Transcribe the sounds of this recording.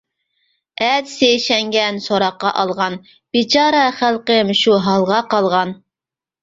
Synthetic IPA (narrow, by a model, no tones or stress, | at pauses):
ɛd̪sejʃɛŋɡʲɛnsoɾɑqːɑʔɑlˠʁɑn | b̥it͡ʃʰɑːɾɑχælˠqəmʃuɦɑlˠʁɑqɑlˠʁɑn